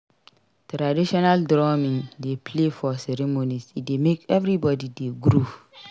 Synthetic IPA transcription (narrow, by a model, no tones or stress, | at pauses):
tɾadiʃɔnaldɾɔmĩndepʰlefɔsɛɾemonisit̚demekɛvɾibɔdideɡɾuv